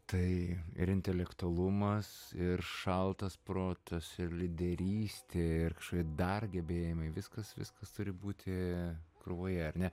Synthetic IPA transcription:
t̪ɐɪɪ̰ɾɪnʲt̪ʲɛlʲɛkt̪ʊɐlˠʊmɐsɪrʃɐlˠt̪ɐspɾoːt̪ɐsɪrlʲɪd̪ʲɛɾʲiːsʲt̪ʲeːɪrkɐ̥ʃkoːkʲid̪ɐrɡʲɛbʲeːjɪmɐɪʋʲɪskɐsʋʲɪ̰skɐst̪ʊɾʲɪbuːt̪ʲʰɪkɾʊʋoːjɛɐrnʲɛ

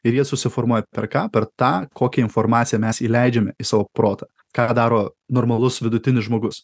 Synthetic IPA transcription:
ɪɾjiɛsʊsʲɪfoːɾmuɔjɛpʲɛɾkɑːpʲɛɾt̪ɑːkoːkʲɛɪnfoːɾmɑːt̪sʲɪjɛmʲɛsiːlʲɛɪd͡ʒʲɛmʲɛɪsɑːʋoːpɾoːt̪ɑː | kɑd̪ɑːɾoːnoːɾmɐlˠʊsʋʲɪd̪ʊt̪ʲɪnʲɪsʒmoːɡʊs

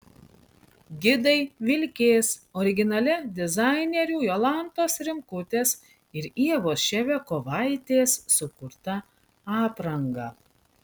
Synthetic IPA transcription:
ɡʲɪd̪ɐɪʋʲɪlʲkʲeːsɔɾʲɪɡʲɪnɐlʲɛd̪ʲɪzɑɪnʲɛɾʲuːjoːlˠɐˑnt̪oːsɾʲɪmkʊt̪ʲeːs | ɪɾiɛʋoːsʃʲɛʋʲɛkoːʋɑɪt̪ʲeːsːʊkʊɾt̪ɐ | ɑːpɾɐŋɡɐː

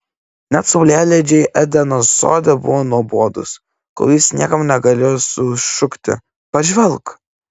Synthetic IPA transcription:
nʲɛt̪sʊʊlʲæːlʲɛd͡ʒʲɛɪʔɛd̪ʲɛnoso̰ːd̪ʲɛbʊʋoːnuɔboɔd̪ʊ̰s | ko̰lʲˠjɪsnʲiɛkɐmnʲɛɡɐlʲeːjosʊʃʊkt̪ʲɪ̰ | pɐʒʲʋʲɛlˠk

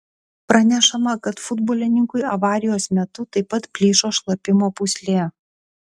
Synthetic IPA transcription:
pɾɐnʲɛʃɐmɐkɐt̪fʊd̪boːlʲɪnʲɪŋkʊɪɐʋɑːɾʲɪjoːsmʲɛt̪ʊt̪ɐɪpɐt̪pʲlʲiːʃoːʃlˠɐpʲɪmoːpʊsʲlʲeː

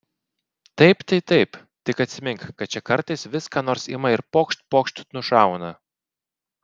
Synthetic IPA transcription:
t̪ɐɪpt̪ʲɐɪt̪ɐɪp | t̪ʲɪkɐt̪ʲsʲɪmʲɪŋkkɐt̪t͡ʃʲɛkɐɾt̪ɐɪsʋʲɪskɑːnoːɾsɪmɐɪɾpoːkʃt̪̚ʲpoːkʃt̪ʲnʊʃɑˑʊnɐ

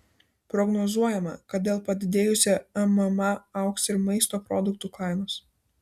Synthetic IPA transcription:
pɾɔɡnɔzuɔjɛmɐ̰kɐt̪̚d̪ʲeːlˠpɐd̪ʲɪd̪ʲeːjʊsʲɛɐmɐmɐɐʊksɪɾmɐɪst̪oːpɾɔd̪ʊk̚t̪uːklˠɑˑɪnos

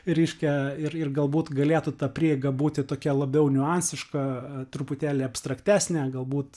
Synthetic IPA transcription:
ɾʲɛɪʃʲkʲɛɪrɪrɡɐlˠbuːt̪ɡɐlʲeːt̪ʊt̪ɐpʲɾʲiːɛɡɐbuːt̪ʲɪt̪oːkʲɛlˠɐbʲɛʊnʲʊɑnʲsʲɪʃkɐt̪ɾʊpʊt̪ʲæːlʲeːɐpst̪ɾɐkt̪ʲæːsʲnʲæɡɐlˠbuːt̪

